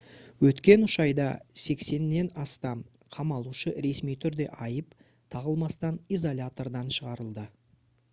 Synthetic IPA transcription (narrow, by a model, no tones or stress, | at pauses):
wɵt̪kʲe̞nʊʃɑjd̪ɑ̰se̞kse̞nːe̞nɑst̪ɑm | qʰɑmɑlˠuʃəɾe̞smijt̪ʰʏɾd̪e̞̰ʔɑjəp | t̪ʰɑʁəlˠmɑst̪ɑnijzolʲat̪o̞rd̪ɑnʃəʁɑɾəlˠd̪ə